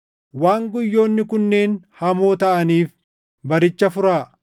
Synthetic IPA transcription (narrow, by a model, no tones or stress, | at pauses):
waːŋɡʊjːo̞ːnːɪkʊnːe̞ːnhɐmoːt̪ɐʔɐniːf | bɐɾɪt͡ʃːɐfʊɾaː